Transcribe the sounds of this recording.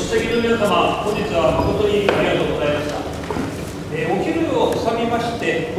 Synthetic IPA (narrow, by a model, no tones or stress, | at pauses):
ɕaɡʲinomʲinasamakõɲ̟d͡ʑit͡sɨβamiɡot̪o̞ɲʲiaɾʲiɡat̪o̞ːɡo̞zaimaɕi̥t̪a | eo̞kʲiɾɯofɯ̥samʲimaɕi̥t̪e̞